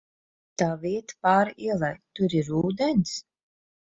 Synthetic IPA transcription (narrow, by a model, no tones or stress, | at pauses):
t̪aːviɛt̪paːɾiɛlˠajt̪uɾiɾuːd̪ɛnʲs